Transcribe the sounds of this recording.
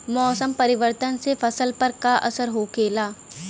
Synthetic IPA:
mɔːsəmpɐɾɪʋəɾt̪ənsefʰɐsəlpɐɾkaʔɐ̰səɾɦoːkeːlaː

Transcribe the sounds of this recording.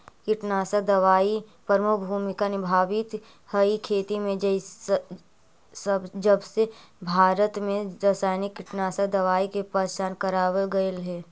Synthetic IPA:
kɪʈnaːsəd̪ɐʋaːipəɾmʊkbʱuːmɪkanɪbʱaːʋɪt̪ | həikʰeːt̪imẽd͡ʒ | səbd͡ʒəbsebʱaːɾət̪mẽɾəsaːjnɪkːɪʈnaːsad̪ɐʋaːikepət͡ʃaːnkəɾaːʋəɡəelɦɛː

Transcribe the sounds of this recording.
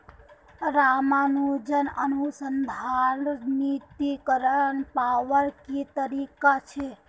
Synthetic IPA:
ɾamanud͡ʒənənusənd̪ʱaɾnit̪ikəɾənpaʋəɾkit̪əɾikat͡ʃʰɛ

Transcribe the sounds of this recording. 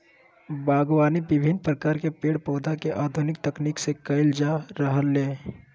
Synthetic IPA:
baːɡwaːnibɪbʱɪnpɾəkaːɾkepeːɽpɔːd̪ʱakeʔaːd̪ʱʊnɪk̚t̪ɐkniːksekəɪld͡ʒaɾəɦəlːeː

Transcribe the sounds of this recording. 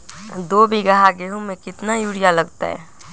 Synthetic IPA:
d̪oːbiɡəɦaɡeɦõmẽkɪt̪najuːɽijaləɡt̪a̰ɦɛ̰

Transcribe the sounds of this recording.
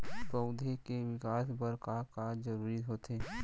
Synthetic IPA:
pəʊd̪ʱekeʋɪkaːsbəɾkakad͡ʒəɾuːɾiɦoːt̪eː

